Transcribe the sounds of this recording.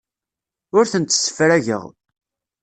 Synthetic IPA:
ʊɾθənt̪ːsːə̥fɾæʝə̰ʁ

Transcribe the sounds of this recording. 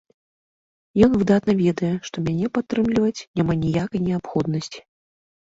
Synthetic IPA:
jɔnvɨd̪at̪nɐvʲɛd̪ɐjɛʂt̪ɔmʲanʲɛpat̪ːɾɨmlʲivɐt͡sʲnʲamanʲijakɐjnʲɛapxɔd̪nɐsʲt͡sʲi̥

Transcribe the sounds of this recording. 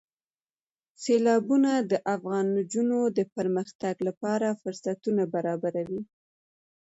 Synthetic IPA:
selɑbunad̪əʔafɣɑnd͡ʒunod̪əpəɾməxt̪aɡlapɑɾafʊɾsat̪unabaɾɑbaɾawi

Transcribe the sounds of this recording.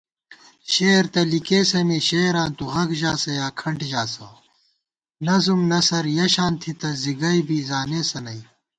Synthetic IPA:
ɕeːɾt̪ɐlikeːsɐmiɕeːɾãːnt̪uɣɐɡʑaːsɐjaːkʰɐɳʈʑaːsɐ̰ | nɐzumnɐsɐɾjɐɕaːnt̪ʰit̪ɐziɡɐjbiːzaːneːsɐnɐi

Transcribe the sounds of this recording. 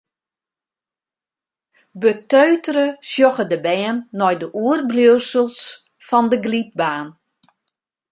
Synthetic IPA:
bətøːtərəsjɔɣədəbɛːnːɔjdəʔuərblowsəlˠs | fɔndəɡlit̚baːn

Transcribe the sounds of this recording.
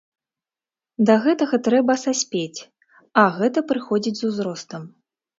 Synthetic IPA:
d̪ɐɣɛt̪ɐɣɐt̪ɾɛbɐsasʲpʲet͡sʲ | ɐɣɛt̪ɐpɾɨxɔd͡zʲid͡zʲzuzɾɔst̪ɐm

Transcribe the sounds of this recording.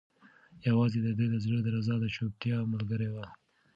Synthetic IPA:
jawɑzed̪əd̪əd̪əzləd̪əɾazɑd̪əʃop̚t̪jɑmalɡəɾewa

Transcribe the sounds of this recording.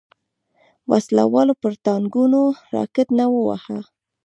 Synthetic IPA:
wasla̰wɑlopəɾt̪ɑŋɡunoɾɑ̰kɪt̪nawəwa̰ha

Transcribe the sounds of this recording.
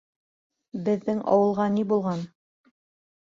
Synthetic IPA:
bɘ̆ðːɘŋɑ̰wɤ̆lˠʁɑnibulˠʁɑn

